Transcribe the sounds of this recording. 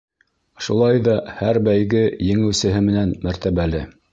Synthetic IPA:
ʃulˠɑjðɑhæɾbæjɡɘjɘ̆ŋɘ̆wsɘ̆ɦɘmɘ̆nænmæɾt̪æβælɘ

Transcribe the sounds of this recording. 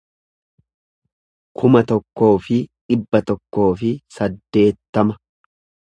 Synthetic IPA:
kʰʊmɐt̪ɔkːo̞ːfɪᶑɪbːɐt̪ɔkːo̞ːfɪsɐd̪ːe̞ːt̪ːɐmɐ

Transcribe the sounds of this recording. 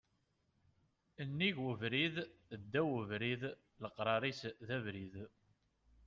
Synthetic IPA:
ənːiʝəvɾiðd̪ːæwəvɾið | ləqːɾˤɑɾˤisðævɾið

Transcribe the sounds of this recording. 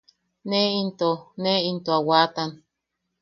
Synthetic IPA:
neint̪oneint̪oawat̪an

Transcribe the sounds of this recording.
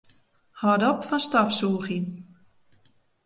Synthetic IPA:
hɔdɔpfɔnstɔfsuːxin

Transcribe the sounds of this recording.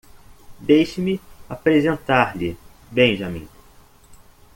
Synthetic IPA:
d̪ejʃɪmɪapɾezẽnt̪aɾlɪ | bẽj̃ʒɐmḭ̃

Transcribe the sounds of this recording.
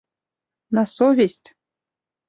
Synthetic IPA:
nɑsovʲesʲtʲ

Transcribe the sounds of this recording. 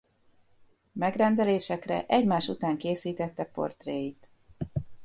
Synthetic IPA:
mɛɡrɛnd̪ɛleːʃɛkrɛ̰ʔɛɟmaːʃut̪aːŋkeːsiːt̪ɛt̪ːɛpo̞̰rt̪reːjit̪

